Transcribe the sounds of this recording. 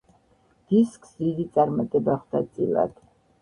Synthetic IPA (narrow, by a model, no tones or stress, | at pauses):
d̪̥iskʼsd̪id̪it̪sʼaɾmat̪ʼɛbaχd̪at̪sʼḭla̰d̪̥